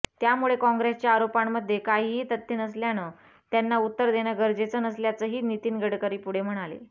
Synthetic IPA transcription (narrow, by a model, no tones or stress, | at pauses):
t̪jamuɭekɔ̃ŋɡɾest͡ɕjaːɾopamːəd̪ʱːjekaɦiɦiːt̪ət̪ʰːenəsljanə | t̪janːaut̪ːəɾd̪eñaɡəɾd͡ʑet͡sənəsljat͡səɦiːnit̪iːnɡəɽkəɾiːpuɽ̤em̤əɽ̃alḛ